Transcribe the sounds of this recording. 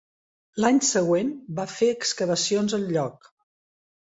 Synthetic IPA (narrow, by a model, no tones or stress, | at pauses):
laɲsəɣwenbafeəkskəβəsionzəlʎɔk